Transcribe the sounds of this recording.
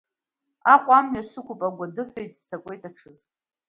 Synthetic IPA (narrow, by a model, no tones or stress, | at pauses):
aqʷʼamɥaʂɨkʷʰʊpʼaɡʷadɨħʷᶣejtʼsakʷʼe̞jtʼaʈ͡ʂʰɨz